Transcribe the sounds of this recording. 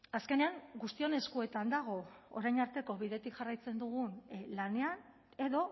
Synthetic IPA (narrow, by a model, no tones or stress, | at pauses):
aske̞ne̞aŋɡust̪io̞ne̞skue̞t̪and̪aɣ̞o̞o̰ɾajnaɾt̪e̞ko̞βiðe̞t̪ikʝarajt͡se̞nd̪uɣ̞unlane̞an | e̞ðo̞